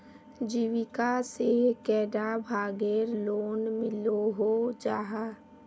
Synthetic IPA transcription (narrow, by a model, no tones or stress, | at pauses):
d͡ʒiʋɪkasekɛːɖabʱaːɡeɾloːnmɪloɦod͡ʒaːɦa